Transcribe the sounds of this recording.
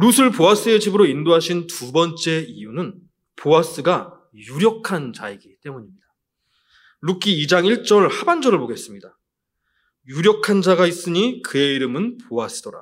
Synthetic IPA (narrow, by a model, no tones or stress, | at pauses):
ɾusʰɯɭpoas͈ɯe̞d͡ʑibɯɾoindoɦaɕʰintubʌnt͡ɕ͈e̞ijunɯn | poas͈ɯɡa | juɾjʌkʰant͡ɕa̰iɡit͈e̞muɲimɲida | ɾukʰiːd͡ʑaŋiɭt͡ɕ͈ʌɭhaband͡ʑʌɾɯɭboɡe̞s͈ɯmɲida | juɾjʌkʰand͡ʑaɡais͈ɯɲikɯe̞iɾɯmɯnpoas͈ɯd̥ʌɾa̰